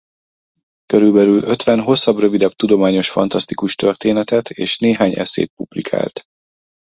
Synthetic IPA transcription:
køɾylbɛlylø̞t̪ʋɛnɦo̞sːɒbrøvid̪ɛb̚t̪ud̪o̞maːɲo̞ʃfɒ̰nt̪ɒst̪ikuʃt̪ørt̪eːnɛt̪ɛt̪ʰḛːʃneːɦaːɲɛ̰sḛːt̪̚publikʰa̰ːlt̪

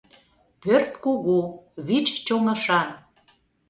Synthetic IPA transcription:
pørt̪koɣuβit͡ɕt͡ɕoŋəʃɑn

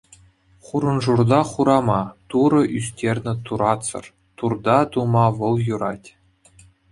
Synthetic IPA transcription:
χuɾɤ̆nʐurd̪ɑχuɾɑmɑt̪uɾɤ̆ʔysʲtʲerʲnʲɘ̆t̪uɾɑtt͡sɤ̰̆r | t̪urd̪ɑt̪umɑʋɤ̆lˠjuɾɑtʲ

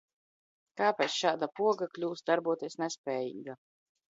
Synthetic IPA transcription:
kaːpɛːt̪sʃaːd̪apuɔɡaklʲuːsd̪aɾbuɔt̪iɛsnɛspʲɛːjḭːɡa

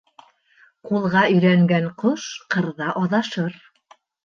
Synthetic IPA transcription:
qulˠʁɑɵ̆jɾæŋɡæɴqoʃqɤ̆ɾðɑʔɑðɑʃɤɾ

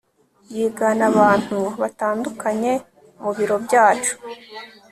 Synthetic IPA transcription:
jiːɡanaβaːn̥huβataːndukaɲe̞ | muβiɾo̞bjaːt͡ʃu̥

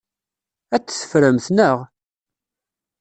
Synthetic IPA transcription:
æt͡sːθə̥fɾəmθnəʁ

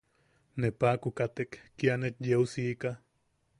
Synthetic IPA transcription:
nepakukat̪ekːianet͡ʃ̪jeusiːka

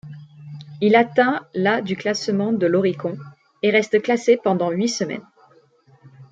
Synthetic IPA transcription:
ilat̪ɛ̃lad̪yklasmɑ̃d̪əlɔʁikɔ̃ | eʁɛst̪əklasepɑ̃d̪ɑ̃ɥisəmɛ̰n

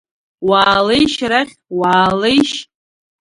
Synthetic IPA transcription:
waːlejʃraχʲwaːlejʃ

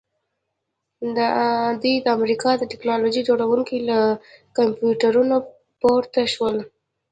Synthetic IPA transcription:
d̪d̪ujd̪əamɾikɑd̪əʈɪknɑlod͡ʒid͡ʒoɽawuŋkilakampjuʈaɾuno | poɾt̪aʃwəl

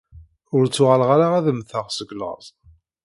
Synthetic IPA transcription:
ʊɾt͡sːʊʁəlʁaɾaʁæðəmθəʁsəɡlə̰ʁzˤ

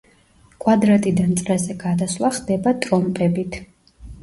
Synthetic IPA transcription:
kʼwad̪ɾat̪ʼid̪ant̪sʼɾɛzɛɡad̪aslˠaχd̪ɛbat̪ʼɾɔmpʼɛbit̪ʰ

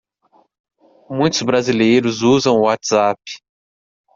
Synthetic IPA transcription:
mũj̃t̪ʊzbɾazilejɾʊzuzɐ̃w̃ʊwat̪z̥apɪ̥

